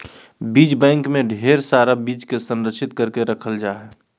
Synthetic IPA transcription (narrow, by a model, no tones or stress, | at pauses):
biːd͡ʒbɛ̃ːŋkmẽɖʱeːɾsaːɾabiːd͡ʒkesə̃nɾəkʃɪt̪̚kəɾkeɾəkʰəld͡ʒaːɦɛ